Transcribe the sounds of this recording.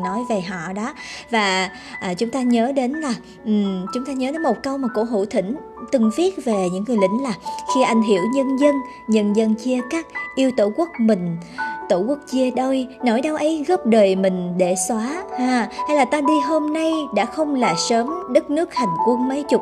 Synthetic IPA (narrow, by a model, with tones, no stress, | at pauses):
nɔ˨˦jve˨˩ɦɔ̰˧˨ɗɔ˨˦vaː˨˩ | ʔːt͡ɕʊ˨˦ŋ͡mt̪aː˧ɲəː˨˦ɗe˨˦nlaː˨˩ | ʔt͡ɕʊ˨˦ŋ͡mt̪aː˧ɲəː˨˦ɗe˨˦nmo˨˩t̚kə˧wmaː˨˩ko̰˧˥ɦṵ˧˩t̪ʰï˧˩ŋ̟ | t̪ɨ˨˩ŋvi˦˥ət̚ve˨˩ɲɨ̰˧˥ŋːɨ˨˩əjlḭ̈˧˥˦ŋ̟laː˨˩xi˧ʔa˧jŋ̟ɦḭ˧˩əwɲə˧nzə˧n | ɲə˧nzə˧nt͡ɕi˧əkaː˦˥k̚ʔi˧əwt̪o˧˩ku˦˥ək̚mï˨˩ŋ̟t̪o̰˧˩ku˦˥ək̚t͡ɕi˧əɗə˧jno˧˩jɗə˧wʔə˨˦jɣɔ˦˥p̚ɗəː˨˩jmï˨˩ŋ̟ɗe˧˩swaː˨˦haː˧˩ha˧jlaː˨˩t̪aː˧ɗi˧ɦo˧mna˧jɗa̰ː˧˥xə˧wŋ͡mlaː˨˩səː˨˦mɗə˦˥k̚nɨ˦˥ək̚ha˨˩jŋ̟kwə˧ənmə˨˦jt͡ɕʊ˨˩